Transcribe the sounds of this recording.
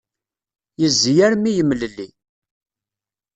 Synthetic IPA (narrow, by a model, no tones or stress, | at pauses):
jəzːjæɾmijəmːləlːi